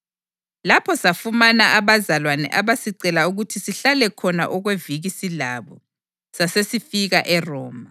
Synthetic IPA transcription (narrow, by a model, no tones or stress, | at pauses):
lapʰɔsafumanaʔaβazalwanɛ̰ʔaβasiǀɛlauɣutʰisiɬalɛkʰɔna̰ʔɔɣweviɣisilaβɔ | sasesifiɣaʔɛrɔːma